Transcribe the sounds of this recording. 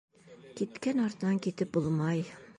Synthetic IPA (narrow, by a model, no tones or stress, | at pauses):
kit̪kænɒɾt̪ɤ̆nɑŋkit̪ɘp̚bulˠmɑj